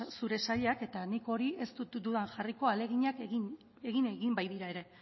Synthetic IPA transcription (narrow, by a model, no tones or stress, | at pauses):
suɾe̞saʎake̞t̪aniko̞ɾiʔe̞st̪ut̪d̪uðanʝariko̞ale̞ɣiɲakɣin | e̞ɣineɣimbajðiɾae̞ɾe̞